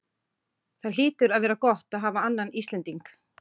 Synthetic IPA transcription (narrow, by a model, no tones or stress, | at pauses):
θaɾ̥liːt̪ʏɾaðvɛːɾakɔht̪aðɦaːvaanːanist̪lɛnt̪iŋk